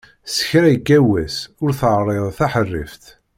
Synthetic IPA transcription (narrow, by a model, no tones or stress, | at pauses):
sə̥çɾæjəɡːæwæsʊɾθəʕrˤeðˤθaħərːḭfθ